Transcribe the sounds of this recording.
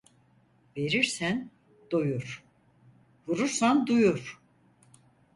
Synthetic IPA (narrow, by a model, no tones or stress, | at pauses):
ve̞ɾiɾsæn | d̪̥ojuɾ̥ | vuɾuɾsand̪ujuɾ̥